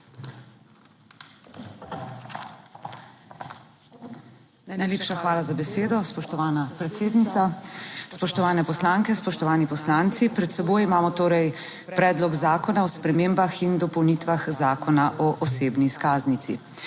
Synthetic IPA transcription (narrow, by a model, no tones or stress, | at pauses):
najnajleːpʃaxʋaːlazabɛseːd̪ɔspɔʃt̪ɔʋaːnapɾɛt̪seːd̪nit̪saspɔʃt̪ɔʋaːnɛpɔslaːŋkɛspɔʃt̪ɔʋaːnipɔslaːnt̪sipɾɛt̪sɛboːjimaːmɔt̪oːɾɛj | pɾɛːd̪lɔɡzaːkɔnaɔspɾɛmeːmbaxind̪ɔpɔwnit̪ʋaxzaːkɔnaʔɔʔɔseːbniskaːznit̪sḭ